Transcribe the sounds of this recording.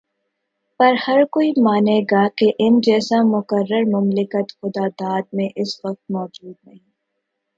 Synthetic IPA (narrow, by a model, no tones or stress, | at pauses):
pɐɾhɐɾkoːimaːneːɡaːkeʔɪnd͡ʒɛːsamʊkəɾːəɾmʊmlɪkət̪xʊd̪aːd̪aːd̪̚mẽʔɪsʋɐq̚t̪̚mɔːd͡ʒuːd̪̚nɐɦĩː